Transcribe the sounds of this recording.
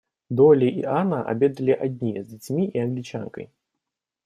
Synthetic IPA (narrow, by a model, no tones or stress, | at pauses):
d̪ɔlʲiʔḭanɐʔa̰bʲɛd̪ɐlʲiʔad̪ʲnʲijɛzʲd͡zʲat͡sʲmʲiianɡlʲit͡ʂa̰ŋkɐ̰j